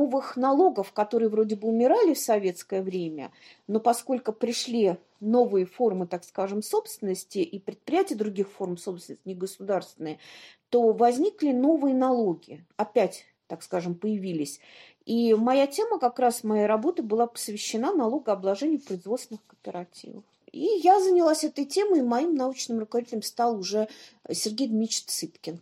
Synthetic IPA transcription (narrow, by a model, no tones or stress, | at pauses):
novɨxnɐlˠo̞ɡəfkɐt̪o̞ɾɨjəvɾo̞dʲɪbɨʊmʲɪɾalʲɪfsɐvʲe̞t̪skəjəvɾʲemʲə̰ | no̞pɐsko̞lʲkʊpɾʲɪʂlʲi | no̞vɨjəfo̞rmɨt̪akskaʐɨmso̞pst̪vʲɪnəsʲtʲɪʔipɾʲɪt̪̚pɾʲɪjætʲɪjəd̪ɾʊɡʲixfo̞rmso̞psvʲɪnəsʲtʲɪɡəsʊd̪arst̪vʲɪnəjət̪o̞vɐzʲnʲiklʲɪno̞vɨjənɐlˠo̞ɡʲɪɪɐpʲætʲ | t̪akskaʐɨmpəjɪvʲilʲɪsʲ | imɐjatʲe̞məkakɾasmɐjajɾɐbot̪əbɨlˠapə̥svʲɪɕːɪnanɐlˠo̞ɡəɐblˠɐʐɛnʲɪjʊpɾəɪzvot̪sʲɪnɨxkəpʲɪɾatʲḭvə̰fijazənʲɪlˠasʲɛt̪əjtʲe̞mɨmɐimnɐut͡ɕnɨmrʊkəvɐd̪ʲitʲɪlʲəmst̪alˠʊʐɛsʲɪrɡʲejd̪mʲit͡ɕt̪sɨpkʲɪn